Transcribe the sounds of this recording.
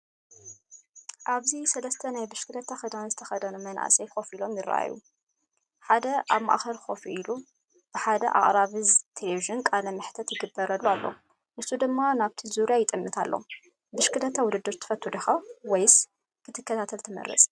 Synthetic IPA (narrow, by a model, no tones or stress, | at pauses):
ʔaβzisɐlɐst̪ʰɐnajbɨʃkʰɨlɐt̪ʰːaxɐd̪anzɨt̪ʰɐ̥xɐd̪ɐnumɐnʔa̰sʼejxo̞filo̞mjɪrːa̰ʔa̰jːṵ | ħad̪ɐʔaβma̰ʔxɐlxo̞filu | b̥ɨħad̪ɐ̰ʔa̰χʼɾaβɨzt̪ʰeleviʒɨnkʼalɐmɨħt̪ʰɐt̪jɪɡɨbːɐɾɐlːualːo̰ | ʔɨsːud̪ɨmːanaβt̪ʰizuɾijajɪt̪ʼɨmːɨt̪ʰalːo̰ | bɨʃkɨlɐt̪ʰːawʊd̪ɨd̪ːɨɾt̪ʰːɨ̥fɐt̪ʰːud̪ɐxawɔjs | kʰɨt̪ʰɨkːɐt̪ʰat̪ʰɐlt̪ʰɨmɐ̰rːɐ̰t͡sʼ